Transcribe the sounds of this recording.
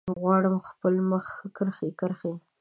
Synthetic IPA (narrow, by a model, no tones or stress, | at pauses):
ɣwɑɽəmxpəlməxkəɾxekəɾxe